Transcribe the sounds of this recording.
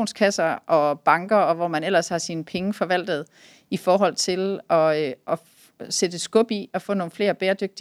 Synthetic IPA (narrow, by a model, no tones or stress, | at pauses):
nskʰæsɐʔɒ̽b̥ɑ̈ŋɡ̥ɐɒ̽ʋɒmænel̰ɐshɑ̈sinəpʰeŋəfɒ̽ʋæl̰d̥ð̞̩ˠ | ifɒːɦɒ̽l̰t͡sʰe̝lɒ̽ʔɒ̽ | sed̥əsɡ̥ɔ̽b̥iɒ̽fɔ̰̽ːno̝ːn̩fle̝ːɐb̥eːɐd̥øɡ̥̚d̥i